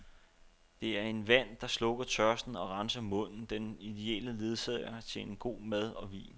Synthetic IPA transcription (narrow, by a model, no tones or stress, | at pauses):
d̥e̝æɐe̝nʋæn̰d̥ɑ̈slɔ̽ɡ̥ɐt͡sʰɶɐsd̥n̩ɒ̽ʁɑ̈nsɐmɔ̽n̰n̩d̥enid̥e̝ɛ̰ːləle̝ð̞ˠsɛɐt͡sʰe̝enɡ̥o̝̰ːmæð̞ˠɒ̽ʋḭːn